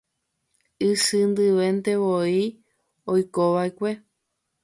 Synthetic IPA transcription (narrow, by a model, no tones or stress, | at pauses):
ɨsɨnd̪ɨʋẽ̞nt̪e̞ʋoi | ojkoʋaekʷe̞